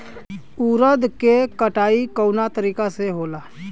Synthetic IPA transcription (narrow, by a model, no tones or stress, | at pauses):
uːɾəd̪kekəʈaːikəwnat̪əɾiːkaseɦoːlaː